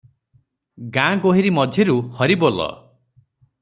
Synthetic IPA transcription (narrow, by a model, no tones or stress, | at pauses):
ɡãɡoɦiɾimɔd͡ʒʱeɾuhɔɾibolɔ̰